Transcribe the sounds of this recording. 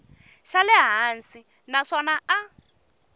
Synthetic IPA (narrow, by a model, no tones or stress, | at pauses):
ʃalɛɦaːnsi | naʂɔnaa